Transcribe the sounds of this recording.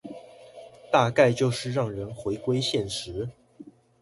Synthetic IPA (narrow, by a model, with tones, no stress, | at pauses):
t̪a˥˧ka˥˧ɪt͡ɕjo˥˧ʊʂɻ̩˥˧ɻɑ˥˩ŋɻə˧˥nxwe˧˥ɪkwe˥ɪɕjɛ˥˩nʂɻ̩˧˥